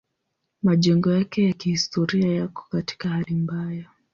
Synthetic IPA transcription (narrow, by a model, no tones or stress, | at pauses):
maʄɛŋɡɔjakɛjakihistʰɔɾiajakɔ̥kati̥kahalimbaja